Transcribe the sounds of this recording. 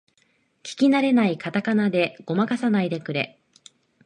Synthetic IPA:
kʲi̥kʲinaɾe̞naikat̪akanad̪e̞ɡ̥o̞makasanaid̪e̞kɯ̟ɾe̞̰

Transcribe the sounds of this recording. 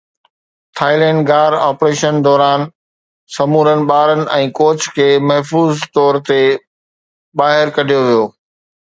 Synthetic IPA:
t̪ʰaːɪlɛ̃ːɳɖɡaːɾaːpɾeːʃənd̪ɔːɾaːn | sɐmuːɾənɪ̆ɓaːɾənɪ̆ɛ̃ːkoːt͡ɕʰkʰeːmɐɦfuːzt̪ɔːɾt̪e | baːɦɪɾkɐɖʱijoʋijoː

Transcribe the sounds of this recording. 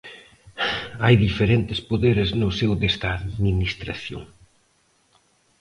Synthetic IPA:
ajðifeɾent̪ɪspoðeɾɪznʊsewðest̪aːðminist̪ɾa̰θjo̰ŋ

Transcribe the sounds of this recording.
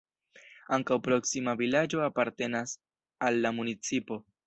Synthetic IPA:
aŋkawpɾo̞ksimavilad͡ʒo̞apaɾte̞nas | alːamunit͡sipo̞

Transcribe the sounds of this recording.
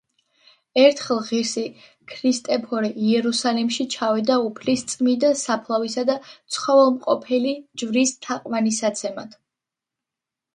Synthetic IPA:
ɛɾt̪ʰχɛlˠʁiɾsi | kʰɾist̪ʼɛpʰɔɾiiɛɾusalimʃit͡ʃʰavid̪aupʰlist̪sʼmid̪asapʰlˠavisad̪at̪sʰχɔvɛlˠmqʼɔpʰɛlid͡ʒvɾist̪ʰaqʼwanisat̪sʰɛmad̪̥

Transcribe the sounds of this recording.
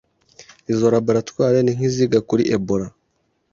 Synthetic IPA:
izo̞ɾabaɾatwaːɾeniŋ̥iziɡakuɾḭʔeboɾa

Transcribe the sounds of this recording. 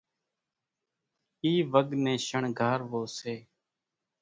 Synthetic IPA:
iːʋəɠnẽːʃəɳɡʱaːɾʋoːseː

